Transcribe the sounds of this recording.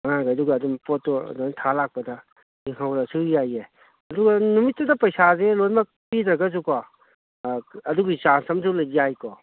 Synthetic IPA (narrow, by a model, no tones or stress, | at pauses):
anaɡaduɡɐːdumpɔtːɔ̰duntʰalak̚pɐdɐ | eŋʰawɾɐsɯjaje | ɐduɡɐnumitːɐdɐpɐjsazelojmɐ | pidɾɐɡɐzukɔ | ɐduɡit͡ʃansɐmsulɐjzijajkɔ